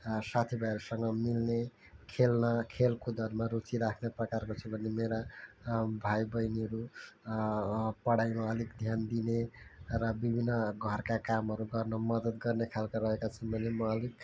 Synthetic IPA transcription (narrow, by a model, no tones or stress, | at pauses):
sat̪ʰibʱajʌɾusʌŋɡʌmilne | kʰelnʌkʰelkod̪ʱʌɾmaɾut͡siɾakʰneprʌkarkot͡sʰubʱʌnemeɾa | bʱajbʌjniʌɾu | pʌɽajmaʌlikd̪ʱjand̪inerʌbibʱinːʌɡʱʌrkakamɦʌɾuɡʌrnʌmʌd̪ʌd̪ɡʌrnekʰalkaɾʌɦekat͡sʰʌnbʱʌnemʌʌlik